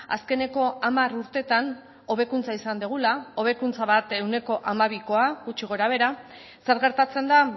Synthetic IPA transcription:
a̰ske̞ne̞ko̞amaruɾt̪e̞t̪an | o̞β̞e̞kunt͡saisand̪eɣ̞ulao̞β̞e̞kunt͡saβat̪e̞wne̞ko̞ʔamaβiko̞aɣut͡ʃiɣ̞o̞ɾaβ̞e̞ɾa | seɾɣe̞ɾt̪at͡se̞nd̪a

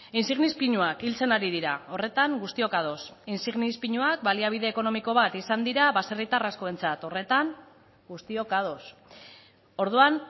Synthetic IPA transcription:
insiɣnispiɲuakilt͡se̞naɾiðiɾao̞re̞t̪aŋɡust̪io̞kað̞o̞sinsiɣnispiɲuakbaliaβ̞iðe̞ːko̞no̞miko̞β̞at̪isand̪iɾaβaserit̪araskoe̞nt͡sat̪o̞re̞t̪aŋ | ɡust̪io̞kað̞o̞s | o̞ɾð̞uan

